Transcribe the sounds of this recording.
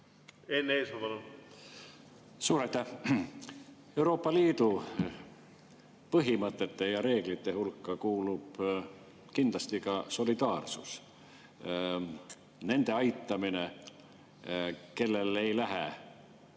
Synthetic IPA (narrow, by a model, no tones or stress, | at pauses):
eneːsmɑpɑlun | suːɾɑjt̪ːˑæh | e̞uɾo̞ːpːˑɑliːd̪u | pɤɦimɤt̪ˑːe̞t̪ːe̞jɑɾe̞ːɡ̥lit̪ːe̞ɦulkːˑɑkuːlub̥ | kind̪lɑst̪ikɑso̞lid̪̥ɑːrsṵs | ne̞nd̪̥e̞ɑjt̪ˑːɑmine | ke̞lːe̞le̞jlæɦḛ